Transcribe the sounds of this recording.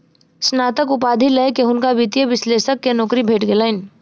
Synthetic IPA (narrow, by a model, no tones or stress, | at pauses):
snaːt̪əkʊpaːd̪ʱilekeʊnkaʋit̪jeʋɪsleːʃəkːenɔːkɾibʱeːʈɡelaɪn